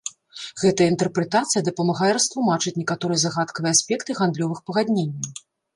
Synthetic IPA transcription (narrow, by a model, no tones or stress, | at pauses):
ɣɛt̪ɐjəint̪ɛrpɾɛt̪at̪sɨjɐd̪ɐpɐmaɣajɛɾɐst̪lˠumat͡ʂɨt͡sʲnʲɛkat̪ɔɾɨjɛzaɣat̪kɐvɨjɛasʲpʲɛkt̪ɨɣand̪lʲɔvɨxpɐɣad̪ʲnʲenʲːɐw